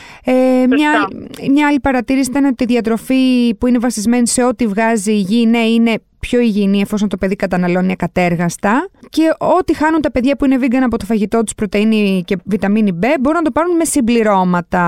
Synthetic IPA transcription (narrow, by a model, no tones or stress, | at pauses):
emɲɐmɲɐɐlipɐɾɐt̪iɾisit̪ɐneot̪iːðiɐt̪ɾo̞fipuine̞vɐsizme̞nise̞o̞t̪ivɣɐziʝineine̞ | pço̞iʝiniɐfo̞sont̪ope̞ðikɐt̪ɐnɐlo̞ninekɐt̪e̞ɾɣɐst̪ɐce̞o̞t̪ixɐnunt̪ɐpe̞ðʝɐpuine̞viɡɐnɐpo̞t̪ofɐʝit̪o̞t̪u̥spɾo̞t̪einice̞vit̪ɐminibe̞bo̞ɾunɐt̪o̞pɐɾunme̞simbliɾo̞mɐt̪ɐ